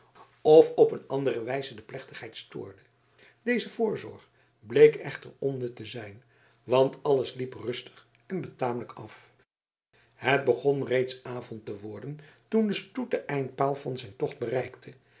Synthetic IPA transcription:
ɔfɔpənɑndərəʋɛjzədəplɛχtə̥χɦɛjtstʊ̰ːɹdə | dejzəvʊːɹzɔ̰ɹχ | blejkɛχtəɹɔnətəzɛjn | ʋɑntʰɑləsliprɵstə̥χ | ɛnbətaːmələkɑf | ɦəd̚bəχɔnrejtsaːvɔntəʋɔɹdəntundəstut̚dəʔɛjnt̚paːlˠvɑnzɛjntɔχd̚bərɛjktʰə

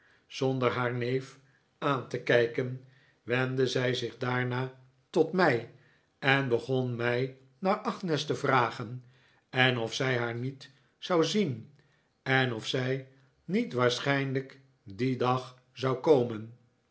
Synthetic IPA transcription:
z̥ɔndəɹɦaːɹnejf | aːntəkɛjkən | ʋɛndəzɛjzɪχdaːɹnaː | tɔtmɛj | ɛnbəχɔnmɛj | naːɹɑχnɛstəvraːχən | ɛnɔfsɛjɦaːɹnit | z̥ɑwzin | ɛnɔfsɛj | nitʋaːɹsχɛjnlək | didɑχ | zɑwkowmən

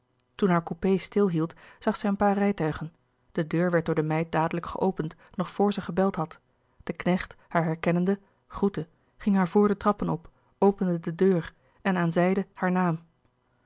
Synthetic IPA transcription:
tunɦaːɹkupejstɪlˠɦilˠtz̥ɑχsɛjənpaːɹrɛjtœɥχən | d̥ədøːɹʋɛɹt̚dʊːɹdəmɛjt̚daːdələkχəʔowpəntnɔχfʊːɹzəχəbɛlˠtɦɑt | d̥əknɛχthaːɹɦɛɹkɛnəndə | χrutə | χɪŋɦaːɹvʊːɹdətrɑpənɔp | owpəndədədøːr | ɛnaːnzɛjdəhaːɹnaːm

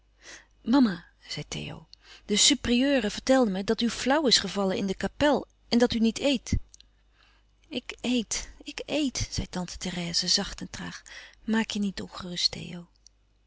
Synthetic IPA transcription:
mɑma | z̥ɛjtḛjo̰wd̥əsypriøːrəvəɹtɛlˠdəmədɑtyflʌwɪsχəvɑlənɪ̰ndəkapɛlˠ | ʔɛndɑtynitʰejt | ɪkejtɪkejtz̥ɛjtɑntə̥tɛrɛːzəzɑχtɛntraːχmaːkjənitɔnχərɵstḛjow

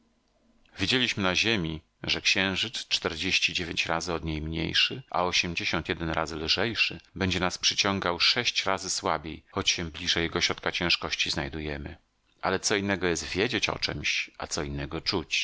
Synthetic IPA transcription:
vʲjed͡ʑelʲiɕmɘnaʑemʲi | ʐɛkɕɛ̃w̃ʐɘt̪st͡ʂt̪ɛɾd͡ʑeɕt͡ɕid͡ʑevʲjeɲt͡ɕɾazɘɔd̪ɲejmɲḛjʂɘʔa̰ɔɕɛmd͡ʑeɕɔnt̪jɛd̪ɛnɾazɘlʐɛjʂɘbɛɲd͡ʑɛnaspʂɘt͡ɕɔŋɡawʂɛɕt͡ɕɾazɘswabʲjejxɔt͡ɕɕɛ̃blʲiʐɛjɛɡɔɕɾɔt̪̚kat͡ɕɛ̃ʂkɔɕt͡ɕiznajd̪ujɛmɘ | ʔa̰lɛt̪sɔinːɛɡɔjɛs̬t̪vʲjed͡ʑet͡ɕɔ̰t͡ʂɛ̰mɕʔa̰t̪sɔinːɛɡɔt͡ʂut͡ɕ

